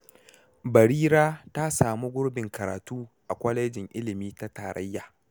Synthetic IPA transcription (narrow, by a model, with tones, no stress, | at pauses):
bɐ˨ɾiː˦ɾaː˦ta˦saː˨mu˦ɡʷʊ˦ɽbɪ˨ŋkɐ˨ɾa̰ː˨tuː˦ʔa˨kʷɐ˦lɐ˦d͡ʒɪ˨ŋʔɪ˦lɪ˨miː˦ta˦ta̰ː˨ɾʔɐ̰˦jːaː˨